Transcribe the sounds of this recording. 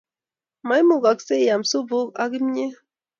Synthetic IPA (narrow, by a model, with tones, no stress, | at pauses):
ma˨˦jmu˨ɡa˨kse˦˨ja˨msu˦bo˦ka̰˦ɡi˦mɲe˦